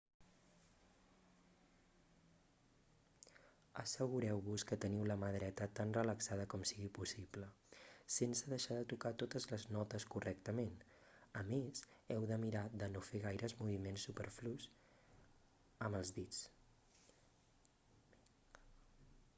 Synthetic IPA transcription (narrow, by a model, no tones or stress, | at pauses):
əsəɣuɾɛwβuskət̪əniwləməðɾɛt̪ət̪anrələksað̞əkɔmsiɣipusiplə | sensəðəʃaðət̪ukat̪ot̪əzləznɔt̪əskurɛk̚t̪əmen | əmezɛwðəmiɾad̪ənofeɣ̞ajɾʔəzmuβimensːupəɾflus | əməlˠzðit͡s